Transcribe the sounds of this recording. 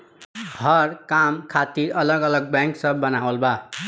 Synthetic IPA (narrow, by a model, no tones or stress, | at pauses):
hʌɾkamkʰat̪iɾʌlʌɡʌləɡ̚baŋksʌbʌnawəlba